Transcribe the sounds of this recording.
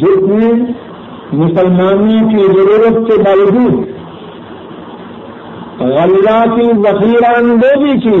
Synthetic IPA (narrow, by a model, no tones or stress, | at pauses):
d͡ʒɪt̪ne | mʊsɐlmaːnikizɐɾuːɾɐt̪sebalɡ̪uː | ɣɐlːaːkizɐxiːɾaːnd̪oːb̪iːkiː